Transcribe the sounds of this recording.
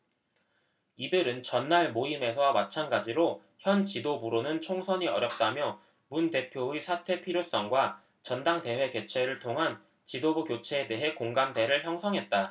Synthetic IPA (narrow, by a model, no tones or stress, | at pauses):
idɯɾɯnt͡ɕʌnːaɭmoime̞sʰʌmat͡ɕʰanɡad͡ʑiɾo | çjʌnt͡ɕidobuɾonɯnt͡ɕʰoŋsʰʌɲiʌ̰ɾjʌp̚t͈amjʌ | munde̞pʰjoisʰatʰwe̞pʰiɾjos͈ʌŋɡwa | t͡ɕʌndaŋte̞ɦwe̞ket͡ɕʰe̞ɾɯɭtʰoŋɦan | t͡ɕidobukjot͡ɕʰe̞ːde̞ɦe̞koŋɡamde̞ɾɯɭçjʌŋsʰʌŋɦet̚t͈a